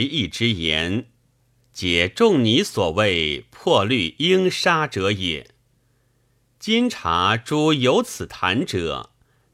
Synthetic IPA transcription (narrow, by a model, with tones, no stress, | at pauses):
i˥˩ʈ͡ʂɻ̩˥jɛ̰˧˥n | t͡ɕjɛ˨˩ʈ͡ʂʊ˥˩ŋni˧˥swɔ˨˩we˥˩ɪpʰwɔ˥˧ly˥˩i˥ŋʂa˥ʈ͡ʂɤ˧˥jɛ̰˨˩˦ | t͡ɕi˥ŋʈ͡ʂʰa̰˧˥ʈ͡ʂu˥jo˧˥ʊt͡sʰɹ̩˨˩t̪ʰa̰˧˥nʈ͡ʂɤ̰˨˩˦